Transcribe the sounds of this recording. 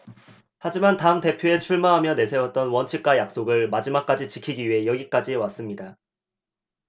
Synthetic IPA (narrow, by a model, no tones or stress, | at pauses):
had͡ʑimantaɯmte̞pʰjoe̞t͡ɕʰuɭmaɦamjʌne̞sʰe̞wʌt̚t͈ʌnwʌnt͡ɕʰik̚k͈ajak̚s͈oɡɯɭmad͡ʑimak͈̚ad͡ʑit͡ɕikʰiɡiɥiɦe̞jʌɡik͈ad͡ʑiwas͈ɯmɲida